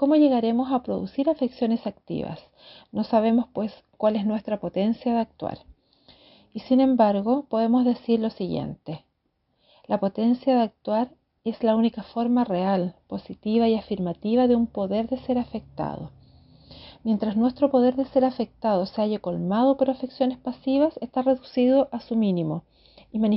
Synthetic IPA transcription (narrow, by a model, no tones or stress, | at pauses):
ko̞moʝe̞ɣaɾe̞mo̞sapɾoðṵsiɾafeksjo̞nesak̚t̪ḭβa̰s | no̞saβ̞e̞mospwe̞s | kwaleznwe̞st̪ɾapo̞t̪e̞nsjaðeak̚t̪wa̰ɾ | isine̞mbaɾɣo̞poðemo̞zðe̞siɾlo̞siɣje̞̰nt̪e | lapo̞t̪e̞nsjaðeak̚t̪waɾ | e̞slaunikafo̞ɾmarealpo̞sit̪iβaiafiɾmat̪iβaðeumpo̞ðe̞ɾðe̞se̞ɾafek̚t̪a̰ð̞o̰ | mje̞nt̪ɾasnwe̞st̪ɾo̞po̞ð̞e̞ɾðe̞seɾafe̞k̚t̪aðo̞seaʝako̞lmað̞o̞poɾafeksjonespasiβasest̪are̞ðusið̞o̞ʔasuminimo̞ | imani